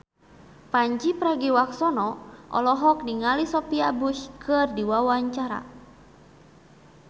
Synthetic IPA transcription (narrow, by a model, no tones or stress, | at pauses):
paɲt͡ʃipɾaɡiwaksɔnɔʔɔ̰lɔɦɔk̚niŋalisɔpiabuʃkɨrdiwawaɲt͡ʃaɾa̰